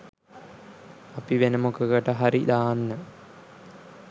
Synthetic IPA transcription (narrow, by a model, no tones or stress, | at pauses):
apiʋenəmokəɡəʈəɦaɾid̪aːnːə